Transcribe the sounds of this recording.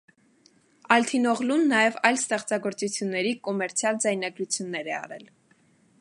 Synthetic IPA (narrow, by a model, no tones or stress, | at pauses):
ɑlt̪ʰinɔʁlunːɑjɛvɑjlst̪ɛχt͡sɑɡɔɾt͡sut͡sʰjunːɛɾikɔmɛɾt͡sʰjɑld͡zɑjnɑɡɾut͡sʰjunːɛɾɛɑ̰ɾɛl